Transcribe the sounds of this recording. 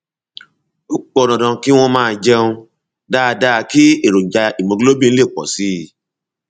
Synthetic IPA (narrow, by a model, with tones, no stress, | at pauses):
o˦k͡pɔ˦˧˨nɔ̃˨dã˨˧ki˦w̃ɔ̃˦mãː˦˧d͡ʒɛ˦ũ˧ | da˦˧da˦˧ki˦e˦˨ɾo˨d͡ʒa˧i˨mõ˨˧ɡlo˦bĩ˦˧n̩˦le˦˨k͡pɔ̰˨si˨˦˨